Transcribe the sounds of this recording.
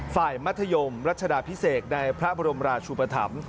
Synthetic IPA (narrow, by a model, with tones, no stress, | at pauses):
faː˨˩jma˦˥t̪ʰːa˧jo˧mɾa˦˥t̪̚t͡ɕʰa˧daː˨˩pʰi˦˥seː˨˩t̪̚na˧jpʰɾa˦˥bɔː˧ɾo˧mɾaː˧t͡ɕʰuː˧pa˧t̪ʰa̰˩˦m